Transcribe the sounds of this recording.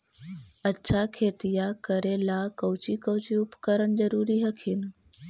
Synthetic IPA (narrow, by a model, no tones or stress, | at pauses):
ɐtːʃʰakʰeːt̪ijakəɾelakɐwt͡ʃikəwt͡ʃiʊpkəɾənzəɾuːɾiɦɐkʰɪn